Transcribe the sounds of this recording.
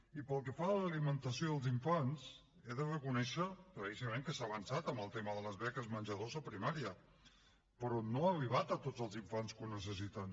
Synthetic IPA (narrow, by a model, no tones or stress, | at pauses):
ipəlˠkəfaləlimənt̪əsioðəlˠziɱfans | eðərəkunɛʃəkɾəisiəmẽŋkəsaβənsat̪əmbəlˠt̪eməðələzβɛkəzmənʲʒəðozəpɾimaɾiə | pəɾɔnoəriβ̞at̪ət̪od͡zəlˠziɱfanskunːəsəsit̪ən